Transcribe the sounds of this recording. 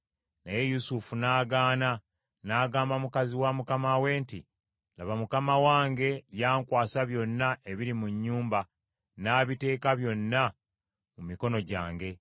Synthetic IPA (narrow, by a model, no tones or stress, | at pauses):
naje̞jusufunaːɡaːna | naːɡaːmbamukaziwamukamawe̞ːnti | la̰βamukamawaːŋɡe̞ljaːŋkwaːsaβjo̞nːaʔe̞βiɾimuɲːuːmba | naːβite̞ːkaβjo̞nːa | mumiko̞no̞ɟa̰ːŋɡe̞